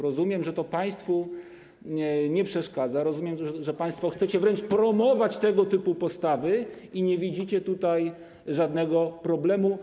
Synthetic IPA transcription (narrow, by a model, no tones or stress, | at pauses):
ɾɔzumʲjɛmʐɛt̪ɔpaj̃st̪fu | ɲɛpʂɛʂkad̪zaɾɔzumjɛmʐɛpaj̃st̪fɔxt̪sɛt͡ɕɛvɾɛnt͡ʂpɾɔmɔvat͡ɕt̪ɛɡɔt̪ɘpupɔst̪avɘiɲɛvʲid͡ʑit͡ɕɛt̪ut̪aj | ʐad̪nɛɡɔpɾɔblɛmu